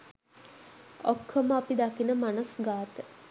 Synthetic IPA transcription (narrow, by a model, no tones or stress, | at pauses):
okʰːəməapid̪akinəmanəsɡaːt̪ə